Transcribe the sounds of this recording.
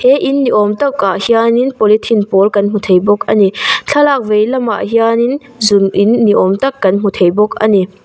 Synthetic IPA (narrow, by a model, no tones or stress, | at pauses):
heʔinːiʔɔmt̪ɐwaʔhianinpɔlit̪ʰinpɔlkɐnm̥ut̪ʰejbɔk̚a̰nit͡ɬʰɐlaːk̚vejlɐma̰ʔhianin | zunʔinːiʔɔmt̪ɐkːɐnm̥ut̪ʰejbɔk̚a̰ni